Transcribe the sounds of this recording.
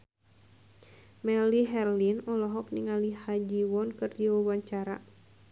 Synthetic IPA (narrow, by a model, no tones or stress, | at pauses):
mɛliɦɛrlinɔlɔɦɔk̚niŋalihad͡ʒiwɔnkɨrdiwawaɲt͡ʃaɾa̰